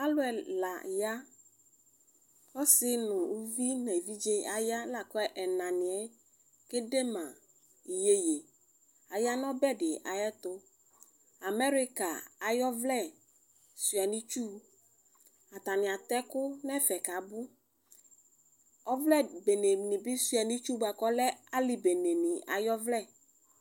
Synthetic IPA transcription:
a˦lʊ˦ɛ˨la̰˨ja˦ | kɔ˦sɪ˦nʊ̃˨u˦vi˦nɛ˨vi˦d͡ʒe˦a˨ja˦la˨kɔ˦ɛ˦ʔɛ˨nã˨nɪ̃˨ɛ˦ | ke˦de˦mã˨ | i˨je˦je˨ | a˨ja˦n˦ɔ̃˦bɛ˦dɪ˨ʔa̰˨jɛ˦t̪ʊ˦ | a˨mɛ˦ɾi˦ka˨a˨jɔ˦vlɛ˦˨ | su˨a˨nĩ˦t͡ʃu˦ | a˨t̪a˨nɪ̃˨a˨t̪ɛ˦kʊ˦nɛ˦fɛ˨ka˨˦bʊ˦ | ɔ˦vlɛ˦˨be˨ne˨nĩ˨bɪ˦su˨a˨nĩ˦t͡ʃu˦ba˨kɔ˦lɛ˦a˦li˨be˨ne˨nɪ̃˨a̰˨jɔ˦vlɛ˦˨

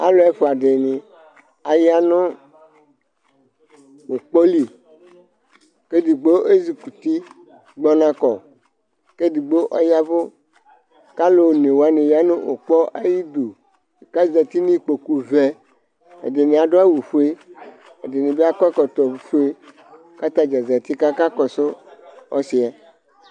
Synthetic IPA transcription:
a̰˦lo˦ɛ˦fo˨a˨ɖe˨nĩ˨ | a˨ja˦nõ˦ | wo˨k͡pɔ˦li˨ | ke˦di˨ɡ͡bo˦ʔe˦zi˨ku˨t̪i˦ | ɡ͡bɔ˦nã˨kɔ˨ | ke˦di˨ɡ͡bo˦ʔɔ˦ja˦vo˦ | ka˦lo˨nẽ˨wo˨a˦nẽ˨ja˦nẽ˦ʔo̰˨k͡pɔ˦ʔa˦ji˦d̪o˨ | ka˦za˨t̪i˦nĩ˦k͡po˨ku˨vɛ˨ | ḛ˨de˨nẽ˨a˨ɖo˦a˦wu˨ɸu˦e˦ | e˨de˨nẽ˨be˦a˦kɔ˦kɔ˨t̪ɔ˨˦fu˦e˦ | ka˦t̪a˦d͡ʒa˨za˨t̪i˦ka˦ka˦kɔ˨so˦ɔ̰˦si˨a˨

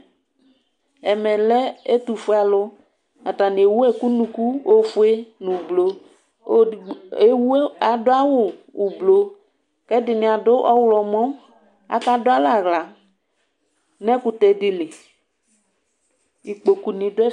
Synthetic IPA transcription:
ɛ˨mɛ˨lɛ˦e˦t̪u˨fu˦a˨lʊ˦ | a˨ta˨nɪ̃˨e˨wu˦ɛ˦ku˦nũ˨ku˦o˦fʊ˦e˦nʊ̃˨blo˨˦ | e˦wu˦a˨dʊ˦a˦wʊ˨u˨blo˨ | kɛ˦dɪ˨nɪ̃˨a˨dʊ˦ʔɔ˦wlɔ˨mɔ̃˦ | a̰˨˦ka˦dʊ˦a˦la˨ɣla˨ | nɛ̃˦kʊ˦t̪ɛ˨dɪ˨lɪ˨ | i˨k͡po˨ku˨nĩ˨dʊ˦ɛ˦

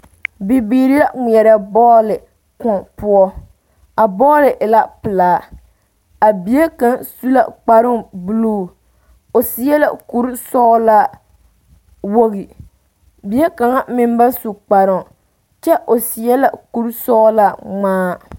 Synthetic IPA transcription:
bi˨biː˨˦ɾi˦la˦ŋi˨ɛ˨ɾɛ˨bɔː˦lɪ˨ | kɔ˨pʊ˦ɔ˦ | a˨bɔː˦lɪ˨ʔɪ˨la˦pɪ˨laː˨˦ | a˨bi˨˦e˦ka˦˨ŋsu˦la̰˨k͡pa˨ɾɪ˦ŋbu˦luː˦˨ | o˨sɪ˨jɛ˦la̰˨ku˦ɾsɔː˦la˦ | wo˦ɣi˨ | bi˨˦e˦ka˨ŋa˦mɪ˦m˦ba˦su˨k͡pa˨ɾʊ˦˨ŋ˨ | t͡ʃɛ˦ʔo˨sɪ˨jɛ˦la̰˨ku˦ɾsɔː˦la˦ŋ͡maː˦

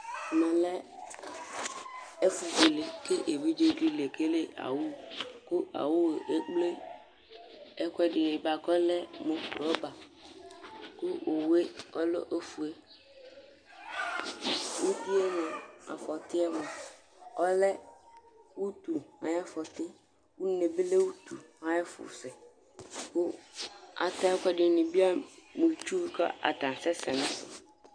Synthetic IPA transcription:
mɛ̃˨lɛ˦ | e˦fu˨d͡ʒi˨le˨ke˦ʔe˨be˦d͡ʒo˦di˦le˨ke˦le˦ʔa̰˨wu˦ku˦a̰˨wo˦we˨ʔe˦k͡ple˦ | e˦kwɛ˦ɖe˨e˨ba˨kɔ˦lɛ˦mõ˦kɾɔ˦ba˨ | ku˦o˨we˦ɔ˦lo̰˦ʔe˦fu˨e˦ | wu˦di˦e˦nã˨a̰˨fɔ˨tɪ˦ɛ˦mʊ̃˨ | ɔ˦lɛ˦ | wu˦tu˨a̰˨ja˦fɔ˨tɪ˦ | wu˦ne˨bɪ˦le˦wu˦tu˨ | a˨jɛ˦fʊ̰˨sɛ˨ | kʊ˦ | a̰˨ta˦kɔ˦dɪ˨nɪ̃˨bi˦a˦mũ˨t͡ʃu˦kʰa̰˦ʔa̰˨tã˨sɛ˦sɛ˨nɪ̃˦sɪ̰˨

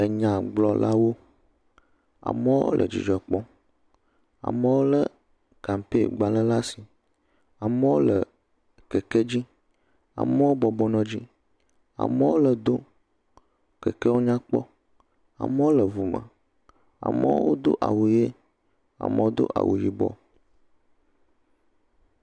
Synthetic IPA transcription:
ə˨ɲã˨ɡ͡blɔ˨˦la˦wo˦ | a̰˨mə˦wo̰˦lʔə̰˨d͡ʒḭ˨d͡ʒɔ˨k͡pɔ˦ | a̰˨mə˦wo˦lə˦ | ka˨m˨pe˦˨ɡ͡ba˨lə˦la˦si˨ | a˨mə˦wo˦lə˨ | kə˨ke˦d͡ʑi˦ | a̰˨mə˦wo˦bɔ˨bɔ˦nɔ̃˦d͡ʑi˦ | a̰˨mə˦wo˦lə˨d̪o˦ | kə˨ke˦wo˦ɲã˦k͡pɔ̰˦ | a̰˨mə˦wo˦lə˨vu˨mə̰̃˨ | a̰˨mə̰˦wo̰˦d̪o̰˦ʔa˨wu˨je˦ | a̰˨mə̰˦wo˦d̪o̰˦ʔa̰˨wu˨ji˦bɔ̰˦

